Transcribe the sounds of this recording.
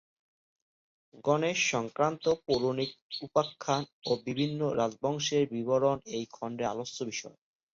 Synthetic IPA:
ɡɔneʃɔŋkɾant̪opoɾonik̚upakʰːanobibʱinːoɾad͡ʑbɔŋʃeɾbiboɾonejkʰɔɳɖea̰losːobiʃɔe

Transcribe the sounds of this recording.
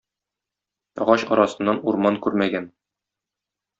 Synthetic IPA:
ɒ̰ʁɑɕɒɾɑsɤ̆nːɑnuɾmɑŋkʉɾmæɡæn

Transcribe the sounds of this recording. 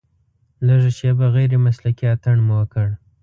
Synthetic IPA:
ləʒaʃebaɣajɾemaslakiat̪əɳmwəkəɽ

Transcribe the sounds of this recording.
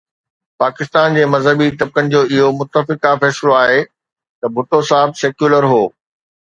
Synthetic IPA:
paːkɪst̪aːnd͡ʑeːmɐzɦəbit̪ɐb̚kənɪ̆d͡ʑoːɪɦomʊt̪ːəfɪkafɛːsloaːɦe | t̪ɐbʱʊʈosaːɦəbseːkjuːləɾɦoː

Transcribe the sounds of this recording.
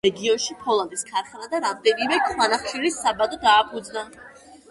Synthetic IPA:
ɛɡiɔnʃipʰɔlˠand̪iskʰaɾχnad̪aɾamd̪ɛnimɛkʰχwanaχʃiɾisːabad̪ɔd̪aːpʰud̪zna

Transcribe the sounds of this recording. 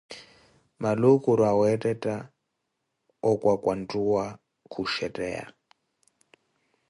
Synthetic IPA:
malukʼuɾawɛtʼɛtʼa | ɔkʼwakʼwantʼuwa | kʰuʃɛtʼɛ̰ːa̰

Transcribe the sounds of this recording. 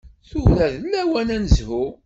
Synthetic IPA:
θuθæðlːæwænænəzhu

